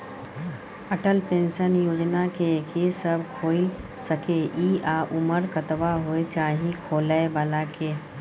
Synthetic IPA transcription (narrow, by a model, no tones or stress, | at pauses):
əʈəlpenʃənjoːd͡ʒnakekesəbʱkʰoilsəkeiaʔuməɾkət̪baɦoet͡ʃaɦĩkʰoləebaːlake